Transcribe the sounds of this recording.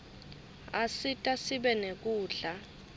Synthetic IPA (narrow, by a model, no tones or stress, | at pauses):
asitʼasiɓɛnek̬ʼuːɮa